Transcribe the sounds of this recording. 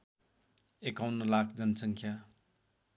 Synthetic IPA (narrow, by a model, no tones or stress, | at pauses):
ekawnnʌlak̚ʰd͡ʒʌnsʌŋkʰja